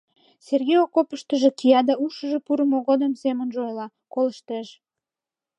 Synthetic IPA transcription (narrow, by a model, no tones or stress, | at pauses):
serɣejokopəʃt̪əʒe̽kijɑd̪ɑuʃəʒepuɾəmoɣod̪əmsemənʒojlɑ | koləʃt̪eʃ